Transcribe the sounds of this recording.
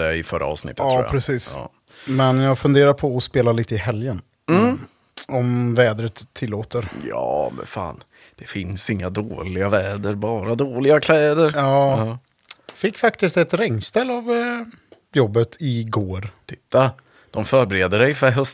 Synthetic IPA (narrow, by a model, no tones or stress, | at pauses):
ɛɪfœɾʔa̰ɑ̰ːvsnɪ̰t̪ːt̪ʰːɾ̰pɾɛsiːs | mɛnjaɡfɵnd̪eːɾaɾpʰɔɔspeːlaliːt̪əɪɦɛljən | ɔmvɛːd̪ɾət̪ʰːɪlːoːt̪əɾjɑ̰ːmɛ̰fa̰ːn | d̪̥ɛfɪnsɪŋːad̪oːlɪɡavɛːd̪əɾbɑːɾad̪oːlɪɡakʰlɛːd̪əɾjɑːɑ | fɪkːfakt̪ɪst̪ɛt̪ɾɛŋːst̪ɛlːav | jɔbːət̪ʰɪɡoːɾt̪ʰɪt̪ːa | d̪̥ɔmfœːɾbɛɾeːd̪əɖɛjfœɾɦœs